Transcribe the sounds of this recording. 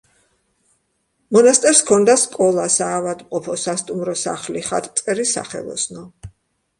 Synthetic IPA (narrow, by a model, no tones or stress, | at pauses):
mɔnast̪ʼɛɾskʰɔnd̪askʼɔlˠasaːvad̪mqʼɔpʰɔsast̪ʼumɾɔsa̰χliχa̰t̪ʼt̪sʼɛɾisa̰χɛ̰lˠɔ̰snɔ